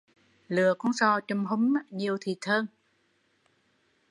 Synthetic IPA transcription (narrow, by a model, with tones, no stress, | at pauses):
lɨ˨˩əkɔ˨˧˥ŋsɔ˧t͡ɕɔ˧wŋ͡mɦʊ˨˦mɲi˨˩əwt̪ʰi˨˩t̪ʰəː˧ŋ